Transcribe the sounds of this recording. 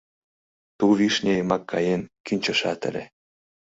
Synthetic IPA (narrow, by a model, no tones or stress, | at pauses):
t̪uβiʃnʲemɑkʰːɑjenkynʲt͡ɕə̆ʃɑt̪ə̰̆lʲḛ